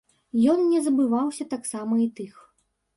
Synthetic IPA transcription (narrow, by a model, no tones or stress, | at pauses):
jɔnnʲɛzɐbɨvawsʲɐt̪aksamɐit̪ɨx